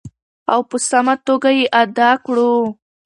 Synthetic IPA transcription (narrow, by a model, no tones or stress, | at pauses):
awpəsamat̪oɡajeʔad̪ɑkɽu